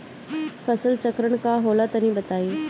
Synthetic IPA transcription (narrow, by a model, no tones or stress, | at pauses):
fɐsəlt͡ʃɐkɾəɽ̃kaɦoːlat̪ɐnĩbɐt̪aːiː